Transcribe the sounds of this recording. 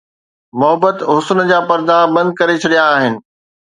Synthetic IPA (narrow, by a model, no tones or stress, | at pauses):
mʊɦəbət̪ɦʊsənd͡ʑaːpɐɾd̪abɐ̃nd̪̚kɐɾet͡ɕʰɐɽijaːɦɪnɪ̆